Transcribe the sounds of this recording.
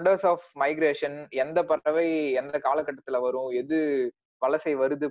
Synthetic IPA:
ɳɖɐɾsaːfmɐɪɡɪɾeːʂɐnɛnd̪ɐpɐɾɐʋɐɪɛnd̪ɐkaːlɐkːɐʈːɐt̪ːɪlɐʋɐɾʊ̃ɛðɯ | ʋɐlɐsɐɪʋɐɾɯðɯ

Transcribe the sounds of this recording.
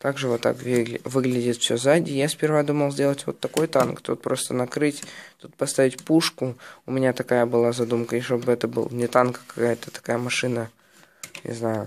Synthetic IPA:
t̪aɡʐɨvot̪ːa̰kvʲiɡlʲvɨɡlʲɪdʲɪt̪fʲsʲɵzadʲɪjasʲpʲɪrvad̪uməlˠzʲdʲe̞lˠətʲvo̞̰t̪ːɐko̞jt̪ankt̪ot̪̚pɾo̞st̪ənɐkɾɨtʲt̪ut̪̚pɐst̪avʲɪtʲpuʂkʊʊmʲɪnʲat̪ɐkajəbɨlˠazɐd̪umkəiʂt̪obɨɛt̪əbɨ̰lˠnʲɪt̪ankə̥kɐ̥kajət̪ət̪ɐ̥kajəmɐʂɨnə | nʲɪ̰znajʊ

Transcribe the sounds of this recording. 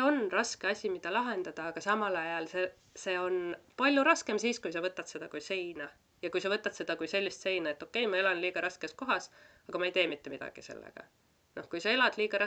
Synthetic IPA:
eo̞nrɑske̞ɑsʲimid̪̥ɑlɑɦe̞nd̪̥ɑd̪̥ɑːɡ̥ɑsɑmɑlɑjɑlse | se̞ːo̞npɑlʲjuɾɑske̞msiːskujsɑvɤt̪ːˑɑt̪se̞d̪ɑkujse̞jnɑ | jɑkujsɑvɤt̪ːˑɑt̪se̞d̪̥ɑkujse̞lʲːist̪se̞jnɑe̞t̪ːˑo̞kːˑe̞jmɑe̞lɑnliːɡ̥ɑɾɑske̞s̚ko̞ɦɑs | ɑɡ̥ɑmɑe̞jt̪e̞ːmit̪ːe̞mid̪̥ɑ̰ɡ̥ḭse̞̰lːḛɡ̥ɑ̰ | no̞hkujsɑe̞lɑd̪̥liːɡ̥ɑɾɑ

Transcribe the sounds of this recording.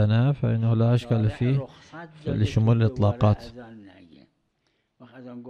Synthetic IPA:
anafaʔɪnːahlaʔaʃkalfiː | lɪʃʊmuːlɪlʔɨt̪ˤlɑːqɑːt̪

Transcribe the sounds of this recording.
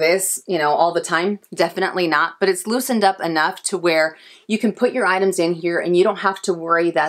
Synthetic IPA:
ɪz̥jɨñoʊʔɔlˠðətʰãɪ̃mdɛfɨñə̰ʔˡlinət̚b̥ʌɾɨtslusɨ̃ndʌpɨnʌftʰəwə˞ | jɨkɨ̃n̩pʰʊt͡ʃə˞aɪɾɨ̃mzɨ̃nɦiɹɨ̰̃njɨɾõʊ̃nt̚ɦæftʰəwɜ˞iðɨ

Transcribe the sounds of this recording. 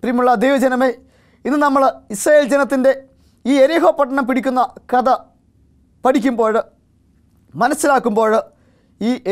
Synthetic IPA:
primuɭːɐd̪ejʋɐd͡ʑɐnɐme̞ː | inːɨnɐmːɐɭisrɐjeːld͡ʑɐnɐt̪̬ːinde̞ | iːeɾiɦo̞ːpːɐʈ̬ːɐɳɐmpiɽikʲːunːɐkɐðɐ | pɐʈikʲːumbo̞ːɻɨ | mɐnɐsːilaːkːumbo̞ːɻɨ | iːʔ

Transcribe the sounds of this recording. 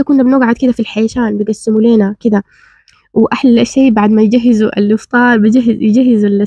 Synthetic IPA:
akʊnːabnoːɡʕad̪̚kɪd̪afilħajaʃaːnbɪɡasːɪmuleːnakɪd̪a | wɪʔaħlʃeːbaʕd̪majd͡ʒaɦːɪzuʔa̰lʔɪft̪ˤɑːɾˤbɪd͡ʒaɦːjɪd͡ʒaɦːɪzɪlɪ

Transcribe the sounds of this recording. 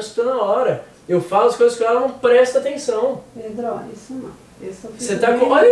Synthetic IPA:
st̪onɐɔɾɐ | ewfalʊɐskojzɐskõɛlɐnɐ̃w̃pɾɛst̪ɐat̪ẽsɐ̃w̃ped̪ɾoisɛmɐ̰̃ | esefset̪akõa

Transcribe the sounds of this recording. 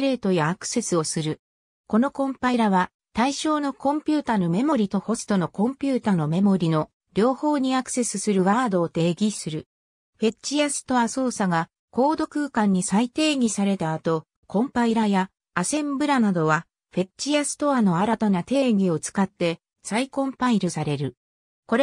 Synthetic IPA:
ɾe̞ːt̪o̞jaːkɯ̟̥se̞sɨo̞sɨɾɯ̟ | ko̞no̞kõ̞mpaiɾaβa | t̪aiɕo̞ːno̞kõ̞mpʲɨːt̪ano̞me̞mo̞ɾʲit̪o̞ho̞sɨ̥t̪o̞no̞kõ̞mpʲɨːt̪ano̞me̞mo̞ɾʲino̞ | ɾʲo̞ːho̞ːɲ̟iakɯ̟̥se̞sɨsɨɾɯ̟βaːd̪o̞ːt̪e̞ːɡʲisɨɾɯ̟ | ɸe̞t͡ɕijasɨ̥t̪o̞aso̞ːsaɡa | ko̞ːd̪o̞kɯ̟ːkãɲ̟ːisait̪e̞ːɡʲisaɾe̞t̪aːt̪o̞ | kõ̞mpaiɾajaː | sẽ̞mbɯ̟ɾanad̪o̞βa | ɸe̞t͡ɕijasɨ̥t̪o̞ano̞aɾat̪anat̪e̞ːɡʲio̞t͡sɨ̥kat̪ːe̞ | saikõ̞mpaiɾɯsaɾe̞ɾɯ̟ | ko̞ɾe

